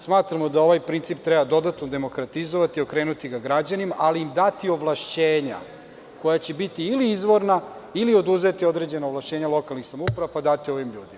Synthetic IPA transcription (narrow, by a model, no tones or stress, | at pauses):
smaːt̪ɾamod̪ao̞ʋajpɾint̪sipt̪ɾɛbad̪o̞d̪at̪nod̪e̞mo̞kɾat̪izoʋat̪io̞kɾe̞ːnut̪iɡaɡɾad͡ʑanimaʔaliːmd̪at̪io̞ʋlˠaʃt͡ɕeːɲa̰ | ko̞jat͡ɕebit̪iːliizʋo̞ɾnailio̞d̪uze̞t̪io̞d̪ɾe̞d͡ʑe̞naoʋlaʃt͡ɕeːɲalˠo̞kalˠnixsamoupɾaʋapad̪at̪io̞ʋimʎuːd̪ima